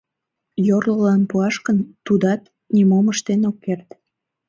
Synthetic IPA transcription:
jorləlɑnpuɑʃkənt̪ud̪ɑt̪ | nimoməʃt̪enokːert̪

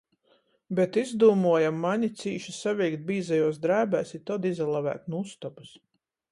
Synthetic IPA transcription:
bɛt̪izd̪uːmuɔjamːaɲit̪siːʃisavʲɛjkt̪̚bʲiːzajuɔsd̪ɾæːbæːsit̪ɔd̪izalˠavæ̰ːt̪nust̪ɔpus

